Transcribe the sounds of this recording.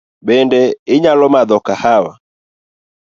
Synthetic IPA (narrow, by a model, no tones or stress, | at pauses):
ɓɛndɛɪɲalɔmaðɔkahawa